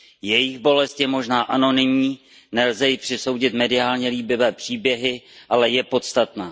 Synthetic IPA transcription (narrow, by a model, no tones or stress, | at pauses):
jɛjɪxbo̞lɛst̪jɛmo̞ʒnaːʔano̞nɪmɲiː | nɛlzɛjɪpr̥ɪso̞wɟɪt̪mɛdɪaːlɲɛliːbɪvɛːpr̝̥iːbjɛɦɪʔalɛjɛpo̞t̪st̪at̪naː